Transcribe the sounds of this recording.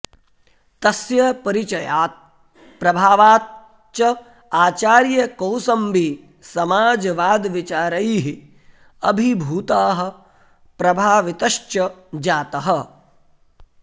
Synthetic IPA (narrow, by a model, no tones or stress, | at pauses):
t̪ɐsjɐpɐɾit͡ʃɐjaːt̪̚ | pɾɐbʱaːʋaːt̪̚ | t͡ʃɐ | aːt͡ʃaːɾjɐkɐwsɐmbi | sɐmaːd͡ʒʋaːd̪ʋit͡ʃaːɾɐjɦi | ɐbʱibʱuːt̪aːɦɐ̆ | pɾɐbʱaːʋit̪ɐʃt͡ʃɐd͡ʒaːt̪ɐɦɐ